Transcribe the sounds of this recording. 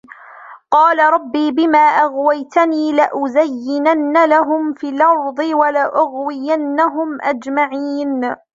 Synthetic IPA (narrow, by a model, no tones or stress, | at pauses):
qɑːlaɾˤɑbːiːbɪmaːʔaɣwajt̪aniːlaʔʊzajːɪnanːalaɦʊmfilʔɑɾˤðˤɨwalaʔʊɣwɪjanːaɦʊmʔad͡ʒmaʕiːn